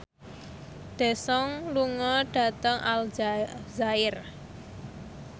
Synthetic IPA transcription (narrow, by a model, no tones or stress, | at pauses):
d̪̥e̤sɔŋluŋɔɖ̥ä̤t̪əŋʔalzaɪr